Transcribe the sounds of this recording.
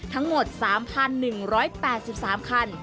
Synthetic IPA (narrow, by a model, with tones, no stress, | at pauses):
t̪ʰa˦˥ŋmo˨˩t̪̚saː˩˦mpʰa˧nːɯ˨˩ŋɾɔː˦˥jpɛː˨˩t̪̚si˨˩p̚saː˩˦mkʰa˧n